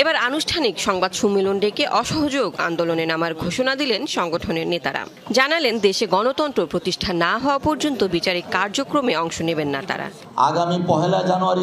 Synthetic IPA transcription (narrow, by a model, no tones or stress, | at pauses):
ebaɾanuʃʈʰanikʃɔŋbad̪ʃumːiloɳɖekeʔɔʃɔɦod͡ʑoɡa̰nd̪olonenamaɾɡʱoʃonad̪ilenʃɔŋɡoʈʰoneɾnet̪a̰ɾa̰ | d͡ʑanalend̪eʃeɡɔnot̪ɔnt̪ɾopɾot̪iʃʈʰanːaɦɔoapɔɾd͡ʑont̪obit͡ɕaɾikkaɾd͡ʑokɾomeɔŋʃonebenːat̪a̰ɾa̰ | a̰ɡamipɔɦelad͡ʑanuaɾi